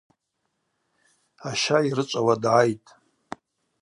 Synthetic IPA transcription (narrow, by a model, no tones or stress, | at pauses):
aʃairɨt͡ʃʷʼawadʕajtʼ